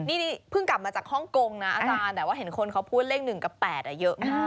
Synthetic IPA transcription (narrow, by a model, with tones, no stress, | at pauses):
niː˥˩niː˧˥˩pʰɯ˥˩ŋka˨˩p̚maː˧t͡ɕaː˨˩k̚hɔ˥˩ŋko˧ŋna˦˥ʔa˧ʔt͡ɕaː˧nd̪ɛː˨˩waː˥˩ɦe˩˦nkʰo˧nkʰa˦˥wpʰuː˥˩t̪̚le˥˩ŋnɯ˨˩ŋka˨˩pɛː˨˩t̪̚ʔa˨˩jɤ˦˥ʔmaː˥˩